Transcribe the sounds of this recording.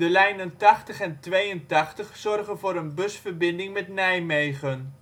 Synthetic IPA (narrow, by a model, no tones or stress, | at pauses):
dəlɛjnəntɑχtəχɛntʋejəntɑχtəχsɔrχənvʊːɾənbɵsfərbɪndɪŋmɛtnɛjmejχən